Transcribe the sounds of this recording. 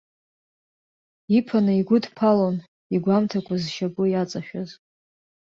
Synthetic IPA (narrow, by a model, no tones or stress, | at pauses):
ipʰanɨiɡʷʊdpʰalon | iɡʷamtʰakʷʰazʃabʊjat͡sʼaʃᶣaz